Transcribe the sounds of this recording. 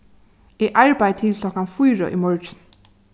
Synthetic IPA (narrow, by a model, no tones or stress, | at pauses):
ɛʔaɹpajt̪ʰɪlkʰlɔhkanfujɹɔ̰ʔimɔɹt͡ʃn